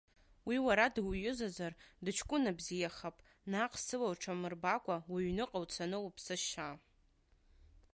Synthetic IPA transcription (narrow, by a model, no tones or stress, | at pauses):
wiwaɾadɨwjʊzazardɨt͡ʃʰkʷʼʊnabzijaχapʼ | naqʼsɨlawʈ͡ʂʰamɨrbakʷʼawaɥnɨqʼawt͡sʰanɨwpʰsɨʃa